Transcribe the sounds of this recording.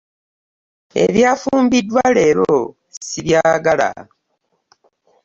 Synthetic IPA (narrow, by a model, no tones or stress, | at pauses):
e̞̰βjaːfuːmbidːwale̞ːɾo | siβjaːɡala̰